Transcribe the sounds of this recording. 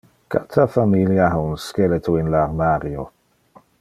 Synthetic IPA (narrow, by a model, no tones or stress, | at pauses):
ka̰t̪ʰafamiljahaunskɛlet̪ʰoɪnlaɾmaɾjo